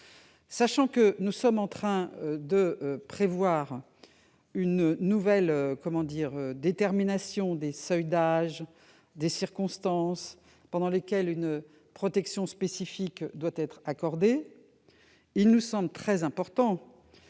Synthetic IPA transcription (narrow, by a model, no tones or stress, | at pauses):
saʃɑ̃kənusɔmɑ̃t̪χɛ̃d̪əpχevwaːʁ | ynːuvɛløkɔmɑ̃d̪iːʁød̪et̪ɛʁminasjɔ̃d̪esœjd̪aʒ | d̪esiʁkɔ̃st̪ɑ̃s | pɑ̃d̪ɑ̃lekʲɛlyn | pχɔt̪ɛksjɔ̃spesifikd̪wat̪ɛt̪χakɔʁd̪e | ilnusɑ̃blət̪χɛzɛ̃pɔʁt̪ɑ̃